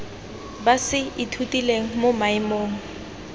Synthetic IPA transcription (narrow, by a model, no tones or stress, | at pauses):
basɪɪtʰutʼileŋ̩momaɪmoːŋ̩